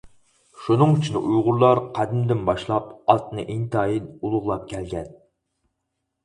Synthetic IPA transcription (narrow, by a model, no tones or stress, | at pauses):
ʃunɨŋyt͡ʃʰynʔujʁʊɾlˠɑɾqʰæd̪ɪmd̪ɪnbɑʃlˠɑpɑt̪nɨʔeŋt̪ʰɑːjinulˠʊʁlˠɑp̚kʲʰɛlɡʲɛn